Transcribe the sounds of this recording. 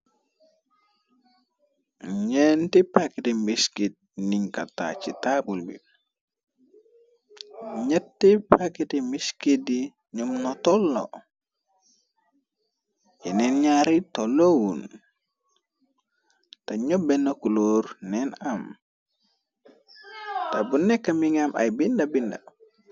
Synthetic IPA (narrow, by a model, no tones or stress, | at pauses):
ɲɛntipakitimbiskit̚niŋka̰ta̰t͡ʃitabulbḭ | ɲɛtːipakitimbiskidi | ɲumnɔtɔlːɔ̰ | jɛnɛnɲaɾitolowun | taɲɔbɛnokuloɾnɛnam | tabunːɛkːamiŋamʔa̰jbindabinda̰